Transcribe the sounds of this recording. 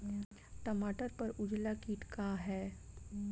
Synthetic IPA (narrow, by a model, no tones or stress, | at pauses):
ʈəmaʈəɾpəɾud͡ʑlakiːʈkaɦɛ